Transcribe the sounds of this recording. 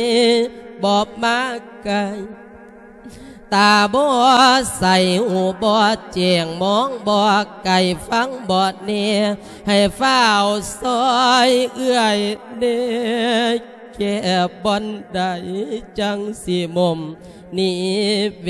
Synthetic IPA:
bɔː˧˦p̚maː˧˥ka˧j | t̪aː˨˩bɔː˧˦sa˨˩jhuː˧˩bɔː˧t͡ɕɛː˨˩ŋmɔː˧˥˦ŋbɔː˧ka˨˩jfa˧˥˨ŋbɔː˨˧t̪̚nɛ˧ | ha˨˩jfaː˧˥˩wsɔː˧˥jʔɯ˧˩əjnɛ˧ | kɛ˧˩bɔ˧˥nda˧˩jt͡ɕa˧ŋsi˧˩mo˧˩m | ni˧˩

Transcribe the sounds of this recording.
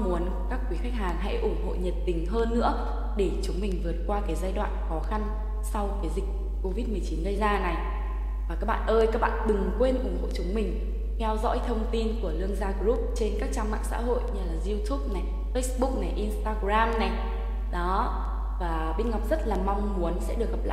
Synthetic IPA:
mu˨˦ən | kaː˦˥kːwi˨˦xa˦˥k̟̚ɦhaː˨˩nɦa̰˧˥jʔʊ˧˩ŋ͡mɦo̰˧˨ɲə˨˩t̚t̪ï˨˦ŋ̟ɦəː˧nːɨ̰˧˥ə | ɗe˧˩t͡ɕʊ˨˦ŋ͡mmï˨˩ŋ̟vɨ˨˩ə˩t̚kwaː˧kaː˨˦jzaː˧jɗwa̰ː˧˨nxɔ˨˦xa˧n | sa˧wkaː˨˦jzi˨˩k̟̚kko˧vi˦˥t̚mɨ˨˩əjt͡ɕi˨˦nɣə˧jzaː˧na˨˩j | vaː˨˩kaː˦˥k̚ɓa̰ː˧˨nʔəː˧jkaː˦˥k̚ɓa̰ː˧˨nɗɨ˨˩ŋkwe˧nʔʊ˧˩ŋ͡mho̰˧˨t͡ɕʊ˨˦ŋ͡mmï˨˩ŋ̟ | kɛ˧wzɔ̰˧˥jt̪ʰə˧wŋ͡mt̪i˧nku˧˩əlɨ˧əŋzaː˧ɣzu˦˥p̚t͡ɕe˧nkaː˦˥k̚t͡ɕaː˧ŋma̰ː˧˨ŋsa̰ː˧˥ɦo̰˧˨jɲɨ˧˩laː˨˩zi˧wt̪ʰu˦˥p̚na˨˩j | fə˧˦˥sɓʊ˦˥k̚na˨˩jʔi˧nst̪aː˧ɣzaː˧mna˨˩j | ɗɔ˨˦ | vaː˨˩ɓi˧nŋa˨˩p̚zə˦˥t̚laː˨˩ma˧wŋ͡mmu˨˦ənsɛ̰˧˥ɗɨ˨˩ək̚ːə˨˩p̚la̰ː˧˨

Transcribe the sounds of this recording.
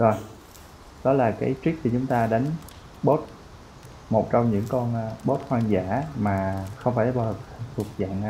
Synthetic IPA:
zo˨˧˩j | ɗɔ˨˦laː˨˩kaː˨˦jt͡ɕi˦˥k̚t̪i˨˩t͡ɕʊ˨˦ŋ͡mt̪aː˧ɗa˨˦jŋ̟ | ɓo˦˥t̚ | mo˨˩t̚t͡ɕɔ˧wŋ͡mɲɨ̰˧˥ŋkɔ˧nː˧ɓo˦˥t̚hwaː˧nza̰ː˧˥˨maː˨˩xə˧wŋ͡mfaː˧˩jɓa˧˩l̚ʰt̪ʰu˨˩ək̚za̰ː˧˨n˧

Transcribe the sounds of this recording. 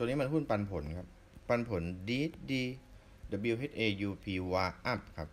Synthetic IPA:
t̪niː˦˥ma˧nɦuː˥˩npa˧npʰo˩˦nkʰa˦˥p̚ː | a˧npʰo˩˦ndiː˧˥t̪diː˧ | da˧˩bi˧wɦe˦˥t̪̚ʔeː˧juː˧pʰiː˧waː˧ʔa˦˥˩p̚kʰa˦˥p̚

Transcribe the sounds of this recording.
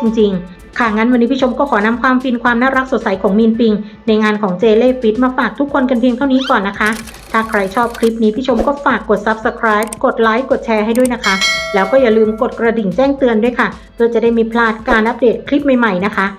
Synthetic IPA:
t͡ɕi˧ŋt͡ɕi˧ŋ | kʰa˥˩ŋa˦˧˥nwa˧nːi˦˥pʰi˥˩o˧˥mkɔː˥˩kʰɔː˩˦na˧mkʰwaː˧mfi˧nkʰwaː˧mnaː˥˩ɾa˦˥k̚so˨˩t̪̚sa˩˦jkʰɔː˩˦ŋmiː˧npi˧ŋ | na˧jŋaː˧nkʰɔː˩˦ŋt͡ɕeː˧leː˥˩fi˦˥t̪̚maː˧faː˨˩k̚t̪ʰu˦˥kʰːo˧nka˧npʰi˧ŋt̪ʰa˥˩wniː˦˥kɔː˨˩nːa˦˥kʰa˦˥ | t̪ʰaː˥˩kʰɾa˧jt͡ɕʰɔː˥˩p̚kʰli˦˥p̚niː˦pʰiː˥˩t͡ɕʰo˦˧˥mkɔː˥˩faː˨˩kːo˨˩t̪̚sa˦˥p̚sa˧kʰɾaː˦˥jp̚ko˨˩t̪̚laː˦˥jko˨˩t̪̚t͡ɕʰɛː˧ɦa˥˩jdu˥˩əjna˦˥kʰa˦˥lɛː˦˥wkɔː˥˩ja˨˩lɯː˧mko˨˩t̪̚kɾa˧di˨˩nt͡ɕɛː˥˩ŋt̪ɯ˧əndu˥˩əjkʰa˥˩ | pʰɯ˥˩ət͡ɕa˨˩daː˥˩jmiː˧pʰlaː˥˩t̪̚kaː˧nʔa˦˥p̚deː˨˩t̪̚kʰli˦˥p̚ma˨˩jma˨˩jna˦˥kʰa˦˥

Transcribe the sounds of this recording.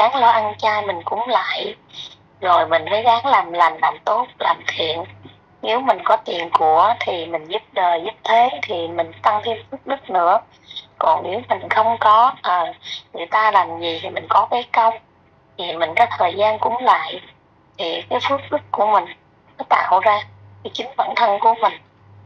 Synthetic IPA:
ɣaː˨˦ŋlɔ˧ʔa˧nt͡ɕaː˧jmï˨˩ŋ̟kʊ̰˧˥ŋ͡mla̰ː˧˨j | zo˨˩jmï˨˩ŋ̟fəː˨˦jɣaː˨˦ŋlaː˨˩mlaː˨˩mlaː˨˩mt̪o˦˥t̚laː˨˩mt̪ʰḭ˧˨ən | ni˨˦wmï˨˩ŋ̟kɔ˨˦t̪ḭ˨ənku˧˩ət̪ʰi˨˩mï˨˩ŋ̟zu˦˥p̚ɗəː˨˩jzu˦˥p̚t̪ʰe˨˦t̪ʰi˨˩mï˨˩ŋ̟t̪a˧ŋt̪ʰi˧mfɨ˦˥ək̚ɗɨ˦˥k̚nɨ̰˧˥ə | kɔ˨˩nni˨˦wmï˨˩ŋ̟xə˧wŋ͡mkɔ˨˦ʔəː˨˩ŋɨ˨˩əjt̪aː˧laː˨˩mzi˨˩t̪ʰi˨˩mï˨˩ŋ̟kɔ˨˦kaː˨˦kə˧wŋ͡m | t̪ʰi˨˩mï˨˩ŋ̟kɔ˨˦t̪ʰəː˨˩jzaː˧nkʊ̰˧˥˦ŋ͡mla̰ː˧˨j | t̪ʰi˨˩kaː˨˦jfɨ˦˥ək̚ɗɨ˦˥kkːu˧˩əmï˨˩ŋ̟ | nɔ˨˦t̪a̰ː˧˨wzaː˧ | ki˨˦t͡ɕï˨˦ŋ̟və̰˧˥nt̪ʰə˧nku˧˩əmï˨˩ŋ̟

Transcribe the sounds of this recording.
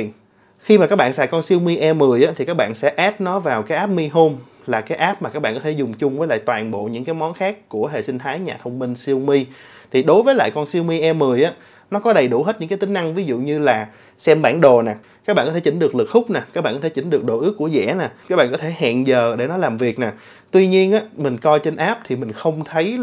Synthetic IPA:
xi˧maː˨˩aː˦˥ɓa̰ː˧˨sa̰ː˧˨jkɔ˧nsi˧əwmi˧ʔɛ˧mɨ˨˩əjʔaː˨˦t̪ʰi˨˩kaː˦˥k̚ɓa̰ː˧˨nsɛ̰˧˥ʔɛː˦˥t̚nɔ˨˦vaː˨˩wkaː˨˦jʔaː˦˥p̚mi˧ɦo˧m | laː˨˩kaː˨˦jʔaː˦˥p̚maː˨˩kaː˦˥k̚ɓ̰aː˧˨kɔ˨˦t̪ʰe˧˩zʊ˨˩ŋ͡mt͡ɕʊ˧ŋ͡mvəː˨˦jla̰ː˧˨jt̪waː˨˩nɓo̰˧˨ɲɨ̰˧˥ŋkaː˨˦jmɔ˨˦nxaː˦˥kːu˧˩əɦe˨˩si˧ŋ̟t̪ʰaː˨˦jɲaː˨˩t̪ʰə˧wŋ͡mmï˧ŋ̟si˧əwmi˧ | t̪ʰi˨˩ɗo˨˦jvəː˨˦la̰ː˧˨jkɔ˧nsi˧əwmi˧ʔɛ˧mːɨ˨˩əjʔaː˨˦ | nɔ˨˦kɔ˨˦ɗə˨˩jɗṵ˧˩ɦe˦˥t̚ɲɨ̰˧˥ŋkːt̪ï˨˦ŋ̟na˧ŋvi˨˦zṵ˧˨ɲɨ˧laː˨˩ | sɛ˧mɓaː˧˩nɗo˨˩naː˨˩ | kaː˦˥k̚ɓaː˧˨kɔ˦t̪ʰe˧˩t͡ɕï˨˦ŋ̟ɗɨ˨˩əklɨ˨˩k̚xʊ˦˥k͡p̚naː˨˩kaː˦˥ɓa̰ː˧˨kːɔ˦tʰe˧˩˧t͡ɕï˨˦ŋ̟ɗɨ˨˩ək̚ɗo̰˧˨ʔɨ˦˥əkːu˧˩əzɛ̰˧˥naː˨˩kaː˦˥ɓa̰ː˧˨˩kɔ˨˦t̪ʰe˧˩hɛ̰˧˨nzəː˨˩ɗe˧˩nɔ˨˦laː˨˩mvi˨˩ək̚naː˨˩ | t̪wi˧ɲi˧ənʔaː˨˦˥mï˨˩ŋ̟kɔ˧jt͡ɕe˧nʔaː˦˥p̚t̪ʰi˨˩mï˨˩ŋ̟xə˧wŋ͡mt̪ʰə˨˦j

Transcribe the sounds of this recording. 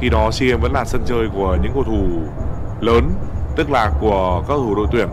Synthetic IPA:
xi˧ɗɔ˨˦si˧ŋʔɛ˧mvə̰˧˥nlaː˨˩sə˧nt͡ɕəː˧jku˧˩əɲɨ̰˧˥ŋkə˧wt̪ʰu˧˩ | ləː˨˦nt̪ɨ˦˥k̚laː˨˩ku˧˩əkaː˦˥kt̪ʰu˧˩ɗo̰˧˨t̪wi˧˩ən

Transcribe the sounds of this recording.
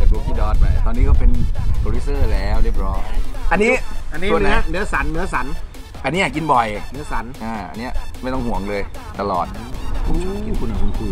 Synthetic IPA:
a˨˧˩t̪u˧t̪ʰiː˥˩dɔː˧˩t̚pa˧jt̪ɔː˧nːiː˦˥k̬ʰɔ˥˩pe˧nkʰo˧ɾi˦˥sɤː˥˩lɛː˦˥wɾi˥˩əp̚ɾɔː˦˥˩ʔa˧nːiː˦˥˦na˦˥nɯ˦˥ɐsa˨˩˦nːɯ˦˥ɐsa˨˩˦n | ʔa˧nːiː˦˥ja˨˩k̬i˧nbɔ˨˩jnɯ˦˥ɐsa˩˦nʔaː˧˩ʔa̰˧nːi˦˥ɐma˥˩jt̪ɔ˥˩ŋhu˨˩əŋlɤː˧jt̪a˧lɔː˨˩t̪̚ː | ki˧nkʰu˧na˧˩ku˧kʰu˧

